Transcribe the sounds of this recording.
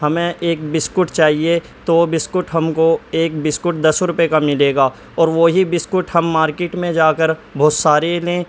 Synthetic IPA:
ɦɐmẽʔeːk̚bɪskʊʈt͡ʃaːɦie | t̪obɪskʊʈɦɐmkoeːkbɪskʊʈd̪ɐsɾʊpekamɪleːɡaː | ɔːɾʋoɦibɪskʊʈɦɐmːaːɾkeːʈmẽd͡ʒaːkəɾbʱɔːt̪saːɾelẽː

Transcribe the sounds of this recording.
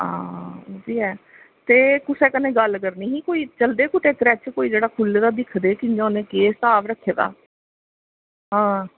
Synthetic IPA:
a̰ːd̪iːɦɛː | t̪eːkʊsɛːkənẽːɡəlkəɾniːɦĩːkoːiːt͡ʃəld̪eːkʊt̪ʰeːkɾɛt͡ʃkoːiːd͡ʒeːɽaːkʰʊld̪aːd̪ɪkʰd̪eːkɪɲd͡ʒãːnẽːkeːst̪aːʋɾəkʰːeːd̪a̰ː | ɦãː

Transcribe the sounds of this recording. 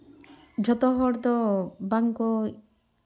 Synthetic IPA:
d͡ʒʱɔt̪ɔɦɔɾd̪ɔbaŋkɔ

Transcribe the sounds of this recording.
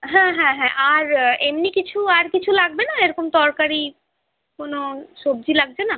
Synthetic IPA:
ɦɛ̃ɦɛ̃ɦɛ̃ʔaɾemnikit͡ɕʰuaɾkit͡ɕʰulaɡ̚benaeɾokomt̪ɔɾkaɾi | konoʃob̚d͡ʑilaɡ̚bena

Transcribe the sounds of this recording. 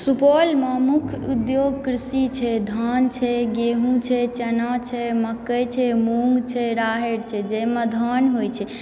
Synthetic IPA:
supɔlmãmukʰud̪joɡkɾisit͡ʃʰɛd̪ʱant͡ʃʰɛɡeɦũt͡ʃʰɛt͡ʃənat͡ʃʰɛməkːəjt͡ʃʰɛmuŋɡt͡ʃʰɛɾaɦeɽt͡ʃʰɛd͡ʒemẽd̪ʱanɦojt͡ʃʰɛ

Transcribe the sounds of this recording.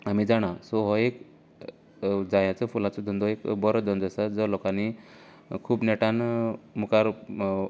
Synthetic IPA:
amid͡zaɽ̃asɔɦɔek | d͡zajat͡səfulat͡sɔd̪ənd̪ɔekbɔɾd̪ənd̪əsad͡zəlokani | kʰuːbnɛʈanmukaɾ

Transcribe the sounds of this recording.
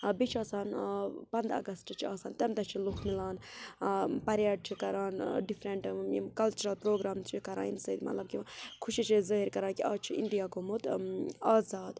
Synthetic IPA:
bit͡ʃʰaːsaːnpɐnd̪ɐ̰ɡɐstt͡ʃʰit͡ʃʰiaːsaːnt̪emt̪ɐt͡ʃʰilukʰmilaːn | pɐɾjaːɖ̚t͡ʃʰikɐɾaːnɖifʰɾeɳʈḭmkɐlt͡ʃuɾɐlpɾoːɡɾaːmt͡ʃʰikɐɾa̰ːinsəd̪mɐ̰t̪lɐb̚kikʰuʃit͡ʃʰizəːɦiɾkɐɾãːnkiaːt͡ʃʰiḭnd̪ijaːɡomut̪aːzaːd̪

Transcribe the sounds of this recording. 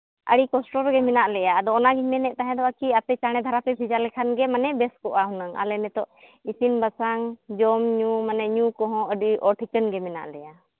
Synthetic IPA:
ʔəɽikɔsʈɔɾɡɛmɛnaʔlɛjaːd̪ɔːnaɡiɲmɛnɛʔ̚t̪aɦɛ̃d̪ɔwakiapɛt͡ʃaɽ̃ɛd̪ʱaɾapɛbʱid͡ʒalɛkʰanɡɛmanɛbɛskɔʔaɦunaŋa̰lɛnɛt̪ɔʔisinbasaŋd͡ʒɔmɲumanɛɲukɔɦɔ̃əɖiʔɔʈʰikənɡɛmɛna̰ʔlɛja

